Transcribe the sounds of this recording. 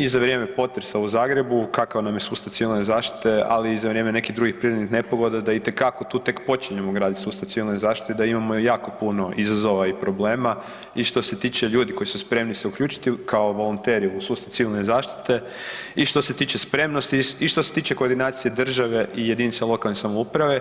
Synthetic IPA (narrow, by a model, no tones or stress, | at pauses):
izaʋɾjeːmepo̞t̪ɾesauzaːɡɾe̞bukakaʋnamjesuːst̪aʋt̪siʋilnezaːʃt̪i̥t̪e̞a̰liːzaʋɾje̞mene̞kid̪ɾuɡixpɾiɾed̪nixne̞poɡo̞d̪ad̪ait̪e̞kako̞t̪uːt̪e̞kpo̞t͡ʃiɲemoɡɾaːd̪it̪suːst̪aʋ̪siʋilnezaːʃt̪i̥t̪ed̪aimamojaːko̞puno̞ʔizazo̞ʋaipɾo̞ble̞ːma | iʃt̪o̞se̞t̪iːt͡ʃe̞ʎuːd̪iko̞jisuspɾe̞mnise̞ukʎuːt͡ʃi̥t̪ikʰaoʋo̞lunt̪eɾiusuːst̪aʋt̪siʋilˠnezaːʃt̪i̥t̪e̞ | iʃt̪o̞se̞t̪iːt͡ʃe̞spɾe̞mnost̪iiʃt̪o̞se̞t̪iːt͡ʃe̞ko̞ːɾd̪inaːt̪sijed̪r̩ʒaʋe̞ʔije̞d̪inisalˠo̞kalnesamoupɾaʋe̞